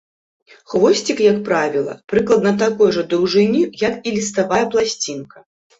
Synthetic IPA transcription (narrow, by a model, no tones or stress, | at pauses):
xvɔsʲt͡sʲikjɐkpɾavʲilˠɐ̰pɾɨklˠɐd̪nɐt̪akɔjʐɐd̪ɾɐwʐɨnʲijɐkilʲist̪avajɐplˠasʲt͡sʲinkɐ̥